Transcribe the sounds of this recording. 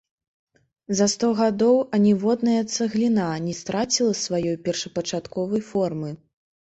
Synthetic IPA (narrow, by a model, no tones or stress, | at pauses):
zɐst̪ɔɣad̪ɔwɐnʲivɔd̪nɐjɐt̪sɐɣlʲinanʲɛst̪ɾat͡sʲilˠɐsvajɔjpʲɛrʂɐpɐt͡ʂat̪kɔvɐjfɔrmɨ